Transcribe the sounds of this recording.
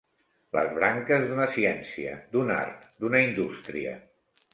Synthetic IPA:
lə̰zβɾaŋkəzðunəsiɛnsiə̰d̪una̰ɾt̪d̪unəind̪ust̪ɾiə̰

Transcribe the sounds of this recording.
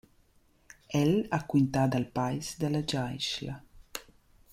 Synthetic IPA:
ɛlakwint̪ad̪alpajsd̪alad͡ʒajʃla

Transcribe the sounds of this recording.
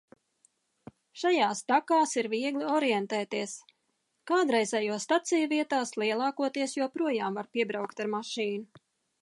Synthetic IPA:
ʃajaːst̪akaːsiɾviɛɡlʲˠiɔɾijɛnt̪ɛːt̪iɛs | kaːd̪ɾɛjzɛjuɔst̪at̪sijuviɛt̪aːslˠiɛlˠɑːkuɔt̪iɛsjuɔpɾuɔjaːmvaɾpʲiɛbɾawkt̪aɾmaʃiːnu

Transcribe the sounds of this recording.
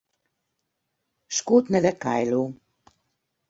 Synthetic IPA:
ʃkoːt̪nɛd̪ɛka̰jluː

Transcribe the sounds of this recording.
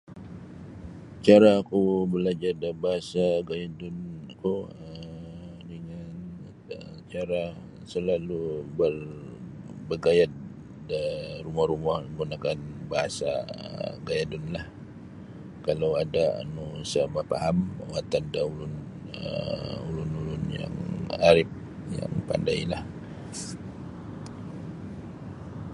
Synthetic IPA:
t͡ʃaɾaːkubəlad͡ʒardabaɦasaɡajadʊnkuə | dəŋan | ət͡ʃaɾa | səlalubər | bəɡajat̪̚ | darumahrumahŋɡunakanbaɦasaə̰ɡajadunlah | kalawadaa̰nusəmapaɦamwat̪andaulʊn | əulʊnulʊnja̰ŋaɾɪp̚ | ja̰ŋpa̰ndailah

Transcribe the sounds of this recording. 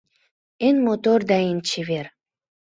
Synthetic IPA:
enmot̪ord̪ɑenʲt͡ɕiβer

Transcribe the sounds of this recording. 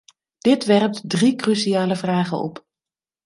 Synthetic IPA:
d̥ɪtʋɛrp̚tdrikrysiaːləvraːχənɔ̰p

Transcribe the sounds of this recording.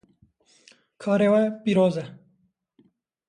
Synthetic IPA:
kʰaːɾewapiɾoːze

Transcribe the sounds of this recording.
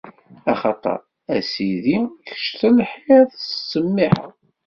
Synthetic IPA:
ɑχɑt̪ˤɑ̰ɾˤ | æsiðiçə̥ʃt̪ænħiðsəmːiħə̰

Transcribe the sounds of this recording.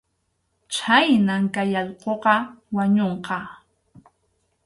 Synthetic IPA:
t͡ʃʰajnaŋkajaʎqoqɑwaɲoɴqɑ

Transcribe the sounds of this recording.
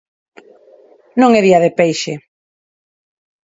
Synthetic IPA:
nõŋeðiaðepejʃe

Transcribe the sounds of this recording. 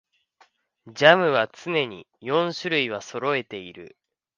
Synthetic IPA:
d͡ʑamɯ̟βat͡sɨne̞ɲ̟ḭ | jõ̞ɰ̃ɕɨɾɯiβaso̞ɾo̞e̞t̪e̞iɾɯ̟̰

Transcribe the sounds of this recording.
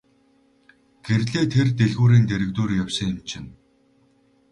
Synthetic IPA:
ɡ̥eɾɮeːt̪ʰert̪eɮɣuːɾiːnt̪eɾɘ̆kt̪uːrjawsə̆ŋɪ̆mt͡ɕʰɪ̆n

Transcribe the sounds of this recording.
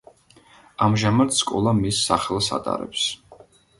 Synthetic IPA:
amʒamat̪skʼɔlˠamisːaχɛlˠsa̰t̪ʼa̰ɾɛ̰ps

